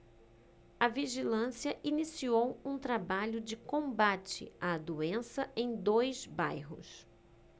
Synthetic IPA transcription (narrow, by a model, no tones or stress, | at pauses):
ɐviʒilɐ̃siɐʔinisiowũt̪ɾabaʎʊd͡ʒɪkõbat͡ʃɪ̰ad̪uẽsɐẽj̃d̪ojzbajɦʊ̰s